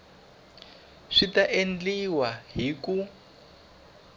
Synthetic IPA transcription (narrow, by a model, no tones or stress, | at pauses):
ʂitaʔend͡ɮiwaɦiku